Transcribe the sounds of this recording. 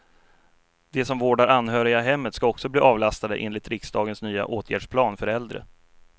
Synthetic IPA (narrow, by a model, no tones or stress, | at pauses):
d̪̥ɛsɔmvoːɖaɾanːɦœːɾɪɡaɦɛmːət̪skaɔksɔbliːʔɑːvlast̪ad̪əʔḛːnlɪt̪ɾɪksd̪ɑːɡənsnyːa̰ʔoːt̪ʰjæ̰ːɖʂpʰlɑːnfœɾɛld̪ɾə̰